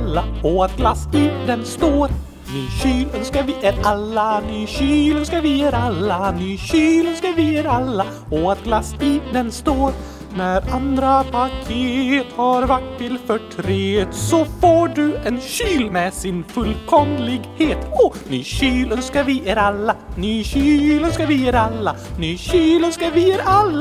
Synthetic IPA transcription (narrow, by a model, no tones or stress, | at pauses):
lːaɔat̪̚ɡlasid̪ɛnst̪oːɾ | nyːɕyːlœnskaɾvɪʔeɾalːanyːɕyːlœnskaɾvɪeɾalːanyːɕyːlœnskaɾvɪeːɾalːa | ɔat̪̚ɡlasiːd̪ɛnst̪oːɾ | næɾand̪ɾapʰakʰeːt̪haɾvaʈ̚t̪ʰːɪlfœʈʰɾeːd̪sɔfoːɖɵɛnɕyːlmɛsɪnfɵlkʰɔmlɪɡheːt̪ɔnyːɕyːlənskavɪʔeːɾalːanyːɕyːlənskavɪeɾalːanyːɕyːlənskavɪeːɾalːa